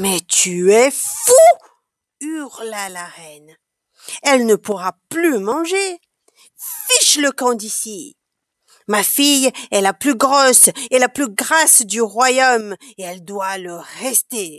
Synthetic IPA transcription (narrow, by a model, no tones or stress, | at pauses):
mɛt̪yɛfu | yʁlalaʁɛn | ɛlnəpuʁaplymɑ̃ʒe | fiʃləkɑ̃d̪isi | mafijɛlaplyɡʁɔselaplyɡʁasd̪yʁwajom | eɛld̪waləʁɛst̪e